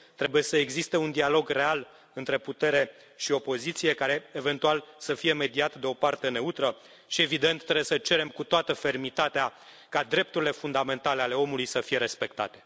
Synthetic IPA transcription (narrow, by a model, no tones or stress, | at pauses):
t̪ɾe̞buje̞səeɡzist̪e̞und̪ialo̞ɡre̞al | ɨnt̪ɾe̞put̪e̞ɾe̞ | ʃio̞po̞zit̪sie̞kaɾe̞eve̞nt̪ualsəfije̞me̞d̪iat̪d̪e̞o̞part̪e̞ne̞ut̪ɾə | ʃie̞vid̪e̞nt̪ːɾeujesət͡ʃe̞ɾe̞mkut̪oat̪əfe̞rmit̪at̪ea | kad̪ɾe̞p̚t̪uɾile̞fund̪ame̞nt̪ale̞ale̞o̞mulujsəfije̞ɾe̞spe̞kt̪a̰t̪e̞̥